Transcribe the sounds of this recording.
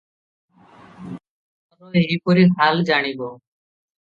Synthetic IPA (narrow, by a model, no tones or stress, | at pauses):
ɾoːeɦiːpoɾiɦaːld͡ʒaːɽ̃iːboː